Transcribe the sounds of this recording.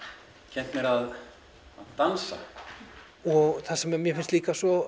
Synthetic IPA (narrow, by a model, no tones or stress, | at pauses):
cʰɛnt̪mɛɾað | aðt̪ansa̰ | ɔɣθasɛmmjɛfɪnst̪liːkasɔ